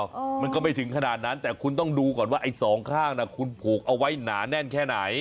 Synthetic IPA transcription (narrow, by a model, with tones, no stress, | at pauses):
ma˧nkɔː˥˩ma˥˩jt̪ʰɯ˩˦ŋkʰa˧naː˨˩t̪̚na˦˥nt̪ɛː˨˩kʰu˧nt̪ɔ˥˩ŋduː˧kɔː˨˩nwaː˥˩ʔa˧jsɔː˩˦ŋkʰaː˥˩ŋna˧˩kʰu˧npʰuː˨˩k̚ʔa˧wa˦˥jnaː˩˦nɛ˥˩nkʰɛː˥˩na˩˦j